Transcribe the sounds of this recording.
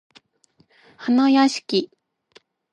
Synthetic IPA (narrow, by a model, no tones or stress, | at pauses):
hanajaɕi̥kʲi